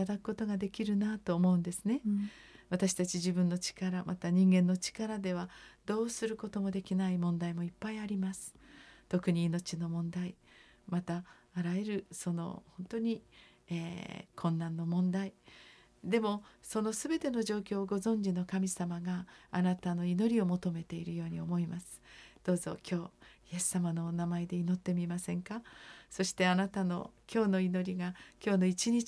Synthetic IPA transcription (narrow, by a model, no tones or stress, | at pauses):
ad̪akɯ̟̥ko̞t̪o̞ɡad̪e̞kʲiɾɯ̟nat̪oːmo̞ɯ̟nd̪e̞sɨne̞βat̪aɕi̥t̪at͡ɕiʑibɯ̟̃nːo̞t͡ɕi̥kaɾamʔat̪aɲ̟ĩŋɡẽ̞nːo̞t͡ɕi̥kaɾad̪e̞β̞ad̪o̞ːsɨɾɯ̟ko̞t̪o̞mo̞d̪e̞kʲinaimõ̞nd̪aimo̞ipːaiaɾʲimasɨ̥t̪o̞kɯ̟ɲ̟iːno̞t͡ɕino̞mõ̞nd̪ai | mat̪aːɾae̞ɾɯ̟so̞no̞̰hõ̞nt̪o̞ɲ̟i | eːkʰõ̞nːãnːo̞mõ̞nd̪ai | d̪e̞mo̞so̞no̞sɨbe̞t̪e̞no̞ʑo̞ːkʲo̞ːɡo̞zõ̞ɲ̟d͡ʑino̞kamʲisamaɡaanat̪ano̞ino̞ɾʲio̞mo̞t̪o̞me̞t̪e̞iɾɯ̟jo̞ːɲ̟io̞mo̞imasɨ̥d̪̥o̞ːzo̞̰kʲo̞ːije̞sːamano̞namaed̪e̞ino̞t̪ːe̞mʲimasẽ̞ŋkaso̞ɕi̥t̪e̞anat̪ano̞̰kʲo̞ːno̞ino̞ɾʲiɡakʲo̞ːno̞it͡ɕiɲi